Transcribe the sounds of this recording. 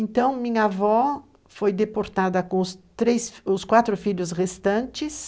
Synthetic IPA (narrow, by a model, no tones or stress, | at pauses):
ẽnt̪ɐ̃w̃mĩɲɐavɔ | fojd̪epoɾt̪ad̪ɐkõʊst̪ɾejsfʊskwat̪ɾʊfiʎʊsʁest̪ɐ̃nt͡ʃɪs